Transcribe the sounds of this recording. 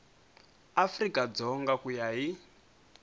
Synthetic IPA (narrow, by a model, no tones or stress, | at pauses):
afrikad͡zɔŋɡakujaɦi